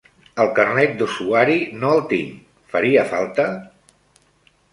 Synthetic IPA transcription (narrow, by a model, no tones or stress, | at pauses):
əlˠkərnɛt̪̚d̪usuaɾinoəlˠt̪ḭŋ | fəɾiəfalˠt̪ə